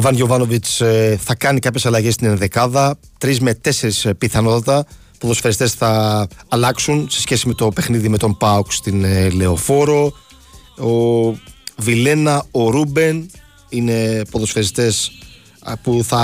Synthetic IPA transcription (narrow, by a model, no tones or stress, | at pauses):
vɐnʝo̞vɐnovit͡sθɐkɐnikɐpçe̞sɐlɐʝest̪inenðekɐðɐt̪ɾizme̞t̪e̞se̞ɾispiθɐno̞t̪ɐt̪ɐ | po̞ðo̞sfeɾist̪e̞sθɐːlɐksunse̞sçe̞sime̞t̪o̞pe̞xniðime̞t̪o̞mpɐokst̪inle̞o̞fo̞ɾo̞ | o | vile̞nɐoɾube̞n | ine̞po̞ðo̞sfeɾist̪e̞s | puθɐ